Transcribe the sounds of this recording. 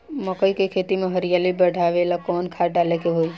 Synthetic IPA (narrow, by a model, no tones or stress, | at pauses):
mãkəikəjkʰet̪imãɦəɾijalibəɽʱaʋelakɔnkʰaʈalekeɦoj